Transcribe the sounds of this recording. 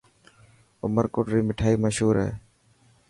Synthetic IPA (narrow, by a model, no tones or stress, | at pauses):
ʊməɾkoːʈɾiːmɪʈʰaːiːməʃɦuːɾɦḛː